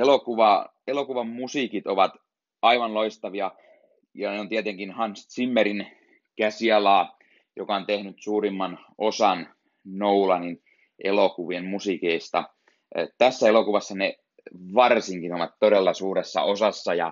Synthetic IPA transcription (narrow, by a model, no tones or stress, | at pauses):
elokuʋɑ | elokuʋɑmmusiːkit̪oʋɑt̪ | ɑiʋɑnloist̪ɑʋiɑ | jɑneont̪iet̪eŋkinhɑnst̪simːeɾin | kæsiɑlɑː | jokɑont̪ehnyt̪suːɾimːɑn | osɑn | noulɑnin | ʔelokuʋienmusikeist̪ɑ̰ | t̪æsːæelokuʋɑsːɑne | ʋɑrsiŋkinoʋɑt̪t̪odelːɑsuːɾesːɑ̰osɑsːɑjɑ̰